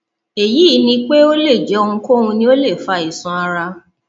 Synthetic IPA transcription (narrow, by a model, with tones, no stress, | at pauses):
e˨ji˨˦˨nĩ˧k͡pe˦o˦le˦˨d͡ʒɛ˨˦o˧ũ˧ko˦ũ˧nĩ˧˦o˦le˦˨fa˧i˨sũ˧a˧ɾa˧